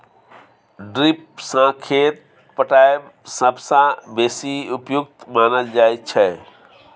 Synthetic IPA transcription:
ɖɾip̚sãkʰet̪̚ | pəʈaebsəbsãbesiupjuk̚t̪maːnəld͡ʒaet̚t͡ʃʰɛ

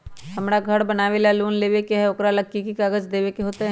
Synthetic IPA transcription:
ɦɐmɾaɡʱɐɽbɐnaːʋelaluːnleːʋekeɦɛʊkɾalɐkːikikaːɡəd͡ʒd̪eːʋekeɦoːt̪eɦ

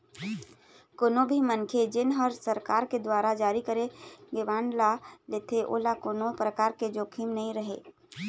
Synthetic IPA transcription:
konõbʱimənkʰed͡ʒɪnɦəɾsɐɾkaːɾked̪waːɾad͡ʒaːɾikəɾẽɡeʋaːɳɖlaleːt̪ʰeʔo̰ːlakonopɾəkaːɾked͡ʒoːkʰiːmnɐɦĩɾɐɦḛː

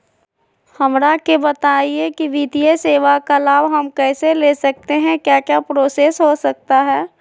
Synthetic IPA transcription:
hɐmɾakebət̪aːiekiʋid̪ijəseːʋakalaːbɦɐmkɛːselesɐk̚t̪eɦɛ̃kjaːkjapɾoːsesɦosɐk̚t̪aɦɛː

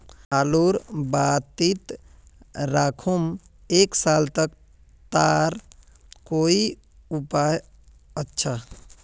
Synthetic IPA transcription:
aloɾbat̪it̪ | ɾakʰum | eksalt̪ək̚ | t̪aɾ | koi | upaj | ətːʃʰa

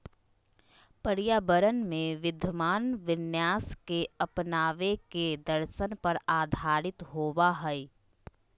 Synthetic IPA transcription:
pəɾijaːbəɾənmẽʋɪd̪ʱəmaːnʋɪnjaːskeɐpnaːʋeked̪əɾʃənpɐɾaːd̪ʱaːɾɪt̪ɦoːʋaɦɛi

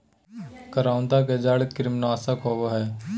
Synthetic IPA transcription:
kəɾãːʊnd̪aked͡ʒaːɽkɾɪmnaːsakɔːʋəɦɛː

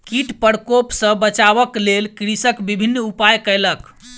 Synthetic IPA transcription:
kiʈpəɾkopsə̃bət͡ʃaβəklelkɾisəkbibʱinːupajkəjlək

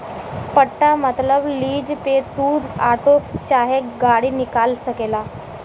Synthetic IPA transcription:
pəʈːamət̪ləbliːd͡ʑpet̪uːɾa̰ʈokt͡ɕaɦeɡaɽiːnikalsəkela

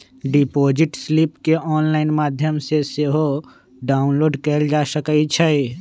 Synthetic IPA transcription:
ɖipoːd͡ʒɪʈslipkeʔɔːnlaːɪnmaːd̪ʱjəmseseɦo | ɖaːʊnloːɖkəld͡ʒaːsəkəit͡ʃʰɛ

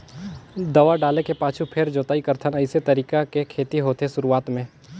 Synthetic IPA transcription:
d̪ɐʋaɖaːlekepaːt͡ʃʰupʰeɾd͡ʒoːt̪aːikɐɾt̪ʰənɐɪset̪ɐɾiːkakekʰeːt̪iɦoːt̪esʊɾuaːt̪mẽː

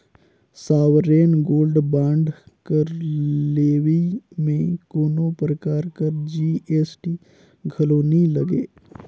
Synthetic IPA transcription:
saːwɾeːnɡoːlɖbãːɳɖkəɾleːwimẽkoːnopɾəkaːɾkəɾd͡ʒiːeːsʈiː | ɡʱɐloːnilɐɡeː

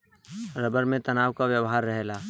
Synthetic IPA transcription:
ɾɐbəɾmẽt̪ɐnaːwkaʋjəwɦaːɾːɐɦlaː

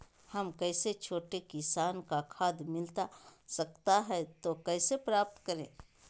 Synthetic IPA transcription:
hɐmkɛːset͡ʃʰoːʈekɪsaːnkakʰaːd̪mɪlt̪asɐkt̪aɦɛt̪okɛːsepɾaːp̚t̪kɐɾḛ̃ː

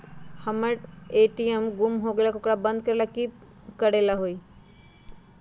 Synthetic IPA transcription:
həməʈeːʈijəmɡʊmɦoɡeːlakokɽabə̃nd̪̚kəɾelaki | kəɽelaɦoi

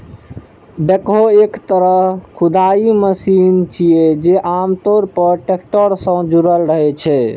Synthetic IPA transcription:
bekɦoekt̪əɾəɦkʰud̪aiməsint͡ʃʰijed͡ʒeʔamt̪oɾpəɾʈekʈəɾsə̃d͡ʒuɾəlɾəɦɛt͡ʃʰɛ

